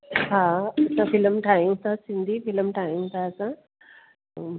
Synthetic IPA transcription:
ɦãɐsãfiləmʈʰaːjũt̪ʰasĩnd̪ʱifiləmʈʰaːjũt̪ʰaəsã

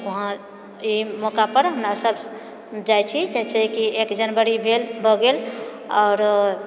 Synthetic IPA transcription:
oɦã | imɔkapəɾɦəmɾasəbʱ | d͡ʒajt͡ʃʰid͡ʒɛt͡ʃʰɛkiekd͡ʒənbəɾibʱelbʱəɡelɔːɾ

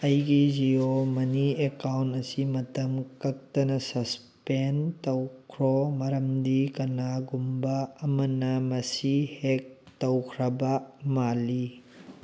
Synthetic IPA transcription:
ɐjɡiziomɐniekawntɐsimɐtɐmkɐk̚tɐnɐsɐs | pentɐwkʰɾɔmɐɾɐmdikɐnaɡumbɐːmɐnɐmɐsihek̚ | tɐwkʰɾɐbɐmali

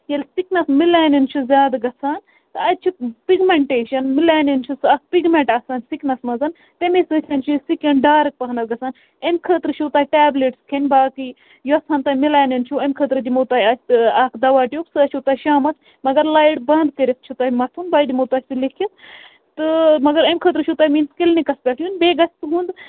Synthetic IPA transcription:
ɐlʲsiknɐsmilaːnint͡ʃʰuzʲjaːd̪ɡɐt͡sʰaːn | t̪ɨɐt͡ʃʰupiɡmeɳʈeːʃɐnmilaːnint͡ʃʰusɐkpiɡmeɳʈɐsaːnsiknɐsmɐzɐn | t̪emesɨt̪ʲʰɐnt͡ʃʰusikɐɳɖaːɾɨk̚pɐɦnɐsɡɐt͡sʰaːn | emʲkʰəːt̪ɾɨt͡ʃʰut̪aːʈaːbleʈskʰenʲbaːkɨ | juɐsʰaːnt̪aːmilaːnɐnt͡ʃʰuɐmʲkʰəːt̪ɾɨd̪imot̪aːjɐsʲaːkd̪ɐʋaːʈijuksɨɐt͡ʃʰut̪aːʃaːmɐt͡s | mɐɡɐɾlaːjiɽbɐnd̪kəɾʲet̪̚t͡ʃʰut̪ajmɐt̪ʰunbaːjd̪imot̪aːsʲt̪ilekʰit̪ | t̪ɨmɐɡɐɾɐmʲkʰəːt̪ɾɨt͡ʃʰut̪aːjmiːnskilnikɐspʲakʰjʲunbeːɡɐsʲt̪ɨɦũːnd̪

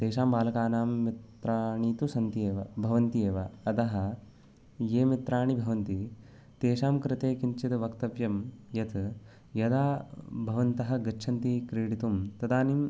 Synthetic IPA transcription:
t̪eːʃaːmbaːlɐkaːnaːmːit̪ɾaːɳiːt̪usɐnt̪ieːʋɐ̰bʱɐʋɐnt̪ijeːʋɐɐt̪ɐɦɐ̆ | jeːmit̪ɾaːɳibʱɐʋɐnt̪i | t̪eːʃaːmkɾɪt̪eːkint͡ʃit̪ʋɐkt̪ɐʋjɐmjɐt̪ʰ | jɐd̪aːbʱɐʋɐnt̪ɐɦɐ̆ɡɐʃʰɐnt̪ikɾiːɽit̪umt̪ɐd̪aːnim

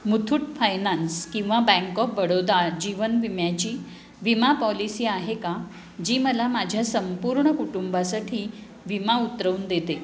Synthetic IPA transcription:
mut̪ʰuʈfajnanskĩw̃ʋabɛ̃ŋkɔfʋəɽod̪ad͡ʑiʋənʋimjat͡ɕiː | ʋimapɔlisiːaɦeka | d͡ʑiːməlamad͡ʑʱjasəmpuɾɳəkuʈumbasaʈʰiː | ʋimaut̪ɾəund̪et̪e

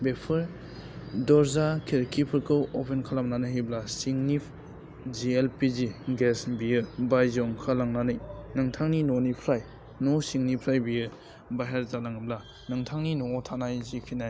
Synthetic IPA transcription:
bepʰɯɾ | dɔɾzakʰeɾkʰipʰɯɾkʰɯwɔpʰenkʰalamnanɯɦiblasiŋnipʰ | d͡ʒielpiziɡesbijɯbajzɔŋkʰalaŋnanɯjnɯŋtʰaŋninɔnipʰɾaj | nɔsiŋnipʰɾajbijɯ | baɦeɾzalaŋɯbla | nɯŋtʰaŋninɔɔtʰanajzikʰinaj

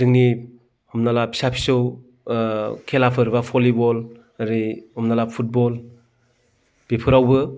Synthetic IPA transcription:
dɯŋni | hɔmnalapʰi̥sapʰi̥sɯw | kʰelapʰɯɾbapʰɔlibɔl | aɾihɔmnalapʰut̚bɔl | b̥epʰɯɾawbɯ

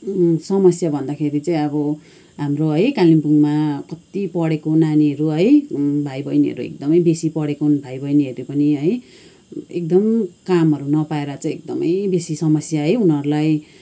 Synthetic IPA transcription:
sʌmʌsjabʱʌnd̪akʰeɾit͡sʌĩʌbʌ | ɦamroɦʌjkalimpuŋmakʌt̪ipʌɽekonaniɦʌɾuɦʌjbʱajbʌjniɦʌ̰ɾuḛk̚d̪ʌmʌjbesipʌɽekonbʱajbʌjniɦʌɾupʌniɦʌj | ḛk̚d̪ʌmkamɦʌɾunʌpaeɾat͡sʌ̃ĩek̚d̪ʌmʌjbesisʌmʌsjaɦʌjunɦʌɾulaj

